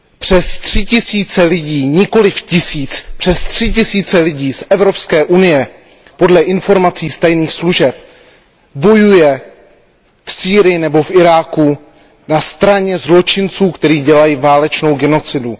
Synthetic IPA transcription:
pr̝̥ɛst̪r̝̥ɪcɪsiːt͡sɛlɪɟiːɲɪko̞lɪfcɪsiːt͡spr̝̥ɛst̪r̝̥ɪcɪsiːt͡sɛlɪɟiːsʔɛvɾo̞pskɛːʔunɪjɛ | po̞dlɛʔɪnfo̞ɾmat͡siːst̪ajniːxsluʒɛp̚ | bo̞jujɛ | fsiːɾɪjɪnɛbo̞fʔɪɾaːku | nast̪ɾaɲɛzlo̞t͡ʃɪnt͡suːkt̪ɛɾiːɟɛlajiːvaːlɛt͡ʃno̞wɡɛno̞t͡sɪdu

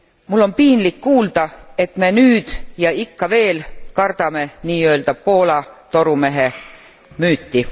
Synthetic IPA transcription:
mulːo̞mpiːnlikːuːld̪̥ɑe̞t̪me̞nyːd̪̥jɑikːɑve̞ːlkɑrd̪̥ɑme̞niːø̞ld̪̥ɑb̥̚po̞ːlɑt̪o̞ɾume̞ɦe | myːt̪ːi

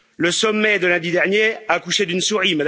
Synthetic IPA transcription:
ləsɔmːɛd̪əlɛ̃d̪id̪ɛʁnjeakuʃed̪ynsuʁimad̪

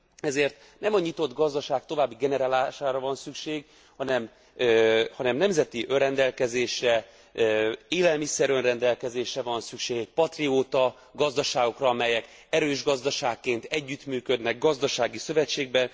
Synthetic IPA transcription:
ɛzeːrt̪ | nɛmɒɲit̪o̞d̪ɡɒzd̪ɒʃaːk̚t̪o̞vaːbːiɡɛnɛɾaːlaːʃaːɾɒvɒnsykʃeːɡ | hɒnɛm | hɒnɛmnɛmzɛt̪iʔønrɛnd̪ɛlkɛzeːʃɛ | eːlɛlmisɛɾønrɛnd̪ɛlkɛzeːʃɛvɒnsykʃeːɡɛcpɒt̪rioːt̪ɒ | ɡɒzd̪ɒʃaːɡo̞krɒɒmɛjɛk | ɛɾøːʒɡɒzd̪ɒʃaːkːeːnt̪ɛɟːyt̪myːkø̞d̪nɛɡɡɒzd̪ɒʃaːɡisø̞vɛt͡ʃːeːɡ̚bɛ

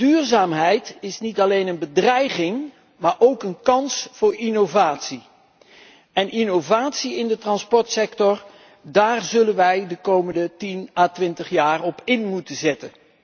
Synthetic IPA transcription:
d̥yːɹzaːmɦɛjtɪsnitɑlejnənbədrɛjχɪŋ | maːɹʔowkənkɑnsfʊːɹinovaːtsi | ɛnʔinovaːtsiɪndətrɑnspɔɹtsɛktɔɹ | daːɹzɵlənʋɛjdəkowməndətinaːtʋɪntəχjaːrɔpɪnmutənzɛtən

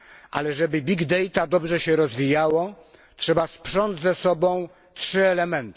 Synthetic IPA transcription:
ʔa̰lɛʐɛbɘbʲiɡd̪ɛjt̪ad̪ɔbʐɛɕɛɾɔzvʲijawɔ | tʂɛbaspʂɔnd̪zzɛsɔbɔ̃w̃ | tʂɘɛlɛmɛnt̪

